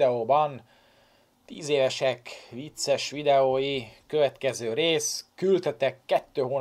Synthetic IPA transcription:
ɛoːbɒn | t̪ḭːzeːvɛʃɛkʋit̪sɛʃʋid̪ɛoːjikøvɛt̪kɛzøːɾeːskylt̪ɛt̪ɛkːɛt̪ːøːɦoːn

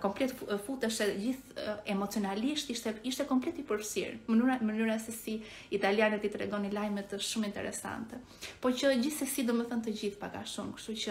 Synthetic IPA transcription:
kɔmplɛt̪fut̪ɛʃɛd͡ʑiθɛmɔt͡siɔnaliʃt̪iʃt̪ɛiʃt̪ɛkɔmplɛt̪ipəɾfsḭɾmənyɾamənyɾasɛsi | it̪aljanɛt̪it̪ɾɛ̰ɡɔnilajmɛt̪ʃumint̪ɛ̰ɾɛ̰sa̰nt̪ɛ | pɔt͡ɕəd͡ʑiθsɛsid̪umɛθɔnt̪əd͡ʑiθpaɡa̰ʃumkʃt̪ut͡ʃə

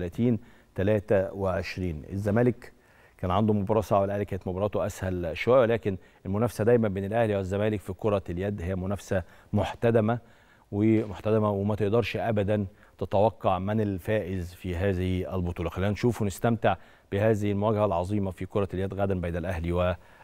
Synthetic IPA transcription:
læːt̪iːn | t̪ælæːt̪æweʕeʃɾiːnʔḛzːæmæːlek | kæːnʕand̪omobɑɾˤɑːsˤɑʕwelʔæhlikæːnɪt̪mobɑɾˤɑːt̪oʔæshælʃowæjwelæːken | ʔelmʊnæfsæd̪æjmæmbeːnælʔæhliwɪzːæmæːlɪkfikoɾˤɑljæd̪ːhejːæmʊnæfsæ | moħt̪æd̪æmæ | wemoħt̪æd̪æmæwemæt̪eʔd̪ɑɾˤʃʔæbæd̪æn | t̪et̪æwɑqːɑʕmenelfæːʔɪzfiːɦæːzɪhiælbot̪ˤuːlɑxælːiːnænʃuːfunɪst̪æmt̪eʕ | b̥ehæːzɪhɪlmowæːɡæhælʕɑzˤiːmɑfikoɾˤɑljæd̪ɣæːd̪æmbæjnælʔæhliwæ

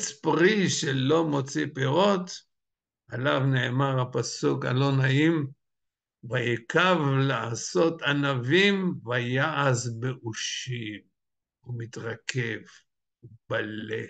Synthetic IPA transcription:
t͡spʁiʃelo̞mo̞t͡sipeʁo̞t̪ | alavnemaʁhapasuka̰lo̞naʔim | vajekavlaaso̞t̪anavimvajaʔazbeʔuʃiv | umit̪ʁakʰev | ubalḛ

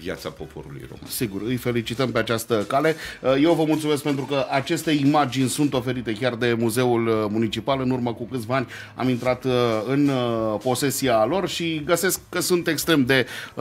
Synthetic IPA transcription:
vja̰t̪sapo̞pʰo̞̰ɾṵlṵjroma̰nsiɡurɨjfe̞lit͡ʃit̪əmpe̞at͡ʃast̪əkale̞je̞wvəmult̪sumeskpe̞nt̪ɾukəʔat͡ʃe̞st̪e̞imad͡ʒinʲsunt̪o̞fe̞ɾit̪e̞kʲard̪e̞muze̞ulmunit͡ʃipalɨnurməkukɨt̪sʲvaanʲ | a̰mint̪ɾat̪ɨnpo̞se̞sialo̞rʃiɡəse̞skːəsunt̪e̞kst̪ɾe̞md̪e̞

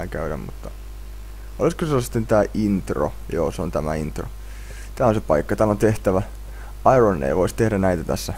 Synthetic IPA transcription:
kæyɾæ̰mmṵt̪ːɑ | ʔoliskoselːsi̥t̪ːent̪æːʔint̪ro̰jo̰ːseont̪æmæint̪ro̰ | t̪æːonsepɑikːɑt̪æːlont̪eht̪æʋæ | ɑironːḛiʋoist̪ehdænæit̪æt̪æ̰sːæ

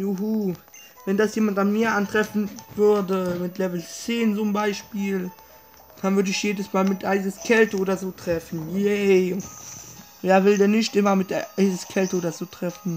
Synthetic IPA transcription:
juɦu | vɛndasjeːmantanmiːɐʔantʁ̥ɛfn̩v̥ʏɐdəmɪtlɛvl̩t͡seːnzʊmbaɪʃpiːl | d̥anvʏɐdəɪçjeːdəsmaːlmɪtʔaɪzəskʰɛltəoːdɐzoːtʁ̥ɛfn̩jɛ | veːɐvɪldɛːnɪçtʔɪmɐmɪtʔaɪzəskʰɛltəoːdɐzoːtʁ̥ɛfn̩

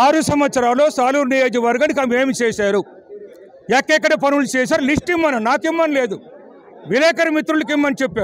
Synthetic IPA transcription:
aːɾusɐmɐt̪sɐɾaːlo̞ːsaːluɾnijoːd͡ʒuʋɐɾɡaːnik̬ameːmit͡ʃɛːsaːɾu | ɛkːɛk̬ːɐɽɐp̬ɐnulut͡ʃɛːs̬aːɾulisʈimːɐnɐnaːkimːɐnile̞ːd̪u | ʋilɛːkɐɾɐmit̪ɾulɐk̬imːɐnit͡ʃepːaːɾ

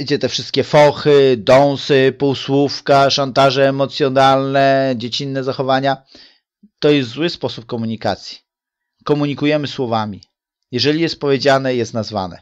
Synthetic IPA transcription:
id͡ʑɛt̪ɛfʂɘst̪kʲɛfɔxɘd̪ɔ̃w̃sɘpuwswufkaʂant̪aʐɛːmɔt̪sʲjɔnalnɛd͡ʑet͡ɕinːɛzaxɔvaɲa | t̪ɔjɛst̪zwɘspɔsup̚kɔmuɲikat̪sʲji̥ | kɔmuɲikujɛmɘswɔvamʲi | jɛʐɛlʲijɛst̪̚pɔvʲjed͡ʑanɛjɛst̪nazva̰nɛ̰

